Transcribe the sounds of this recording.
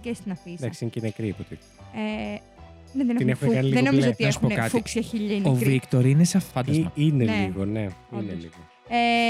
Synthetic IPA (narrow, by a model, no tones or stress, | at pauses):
cest̪inɐfid̪ɐksiincinekɾipot̪e | e | neðeneinexunekɐniliðenoizoot̪iesuonkɐt̪fuksɐçiʎiovɾikt̪oɾineseɐffɐnd̪ɐzɐineliɣoneineliɣo | e